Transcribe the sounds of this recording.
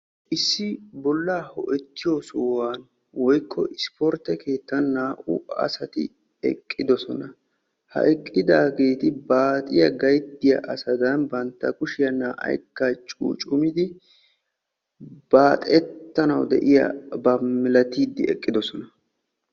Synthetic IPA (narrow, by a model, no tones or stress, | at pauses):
ʔɪsːɪbɔlːaːhɔ̰ʔɛt̪ːɪjɔsowaːn | wɔjkʰːɔ̰ʔɪspɔɾt̪ːɛke̞ːt̪ːɐnːaːʔʊ̰ɐ̰sɐt̪ɪ̰ | ɛ̰kʼːɪd̪ɔsɔnɐ | hɐ̰ʔɛkʼːɪd̪aːɡe̞ːt̪ɪbaːt̪ʼɪjɐɡɐjd̪ːɪjɐ̰ʔɐsɐd̪ɐnbɐnt̪ːɐkʼʊʃɪjɐnaːʔɐ̰jkːɐt͡ʃʼṵːt͡ʃʼʊmɪd̪ɪ | b̥aːt̪ʼɛt̪ːɐnɐwd̪ɛ̰ʔɪjɐ̰bɐmːɪlɐt̪iːd̪ːɪɛkʼːɪd̪ɔsɔnɐ